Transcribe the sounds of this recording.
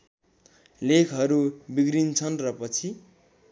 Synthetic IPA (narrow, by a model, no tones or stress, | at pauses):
lekʰɦʌɾubiɡɾint͡sʰʌnrʌpʌt͡sʰi